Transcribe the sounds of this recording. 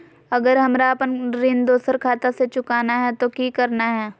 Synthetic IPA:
ɐɡəɾɦɐmɾaɐpənɾɪnd̪oːsəɾkʰaːt̪aset͡ʃʊkaːnaɦɛt̪okikəɾnaɦɛː

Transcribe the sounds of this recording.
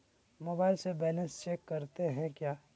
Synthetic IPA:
moːbaːɪlsebɛːlə̃nst͡ʃeːkːɐɾt̪eɦɛ̃kjaː

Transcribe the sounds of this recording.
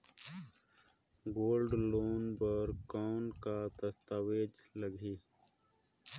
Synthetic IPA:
ɡoːlɖloːnbəɾkankad̪əst̪aːweːd͡ʒləɡʱiː

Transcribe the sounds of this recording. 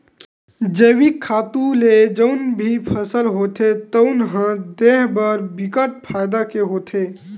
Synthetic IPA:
d͡ʒəwikʰːaːt̪ũled͡ʒəʊnbʱipʰəsəlɦot̪ʰet̪əʊnɦãd̪eɦbəɾbikəʈ̚pʰaːjd̪akeɦoːt̪ʰe

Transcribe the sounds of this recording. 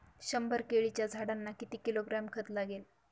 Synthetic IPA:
ɕəmbəɾkeɭit͡ɕjad͡zʱaɽanːakit̪iːkiloɡɾamkʰət̪laɡel

